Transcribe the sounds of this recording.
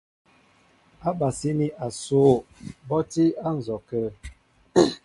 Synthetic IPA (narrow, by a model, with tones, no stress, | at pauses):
a˦ba˨si˦ni˦ʔa˨so˨˦˨bɔ˦ti˦a˦n̩˨zɔ˨kə˦